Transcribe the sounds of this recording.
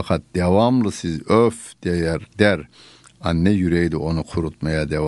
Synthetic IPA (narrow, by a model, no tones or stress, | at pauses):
akʰat̪̚d̪̥evamlˠɯsizøfd̪̥ejæɾd̪æɾ | anːɛjyɾɛjd̪iʔo̞nukʰuɾut̪majad̪ev